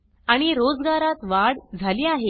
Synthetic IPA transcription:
aɽ̃iɾod͡zɡaɾat̪ʋaɽd͡zʱaliːaɦe

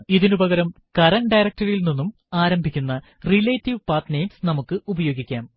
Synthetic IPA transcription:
iðinubɐɣɐɾɐmkɐɾɐnɖɐjɾɐk̚ʈɐɾilninːum | aːɾɐmbʱikʲːunːɐ | rileːtːiʋpaːt̪nejmsnɐmukːɨubɐjo̞ːɡikʲːaːm

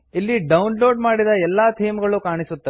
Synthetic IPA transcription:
ilːiɖɐwnloːɖmaːɽid̪ɐɛlːaːt̪ʰijmɡɐɭukaːɳisut̪ːɐ

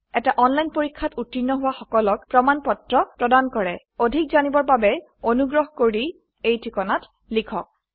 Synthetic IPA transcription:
ɛtaʔɔnlajnpoɹikʰːatutːinːɔɦʊwaxɔkɔlɔkpɹɔmanpɔtɹɔpɹɔdankɔɹɛ | odʱik̚zanibɔɹbabɛ | onuɡɹɔɦɔkoɹi | ejtʰikɔnat | likʰɔk̚

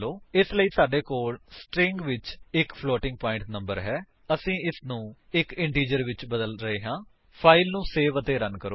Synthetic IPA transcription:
loːɪsləiːsaːɖeːkoːlsʈɾɪ̃ŋɡʋɪt͡ʃɪkpʰloːʈɪ̃ŋɡ̚paːɪ̃ɳʈnəmbəɾɦɛː | əsĩːɪsnũː | ɪkɪɳʈiːd͡ʒəɾʋɪt͡ʃbəd̪əlɾəɦeːɦãː | pʰaːɪlnũːseːʋət̪eːɾənkəɾoː

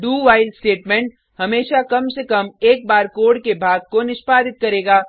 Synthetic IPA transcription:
ɖuːʋaːɪlɖsʈeːʈmɛ̃ɳʈ̚ | hɐmeːʃakɐmsekɐmeːk̚baːɾkoːɽkebʱaːɡ̚konɪʃpaːd̪ɪt̪̚kɐɾeːɡaː

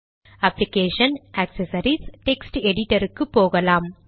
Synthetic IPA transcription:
ɐplɪkeːʂɐnʔæksɐsɐɾisʈɛksʈɛɽɪʈːɐɾɯkːɯpːoːɣɐlaːm

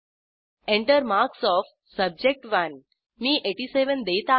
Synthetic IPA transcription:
ẽɳʈəɾmaɾksɔf | səb̚d͡ʑek̚ʈʋən | miːʔeʈiːseʋənd̪et̪a

